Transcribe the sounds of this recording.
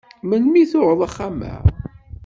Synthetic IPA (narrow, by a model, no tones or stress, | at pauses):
mənmiθʊʕəðˤaχːamæ̰